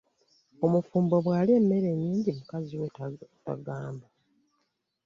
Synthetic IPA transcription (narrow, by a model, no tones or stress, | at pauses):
o̞mufuːmboβwaːleːmːe̞ɾe̞ɲːiːɲɟimukaziweta̰ɡaːmba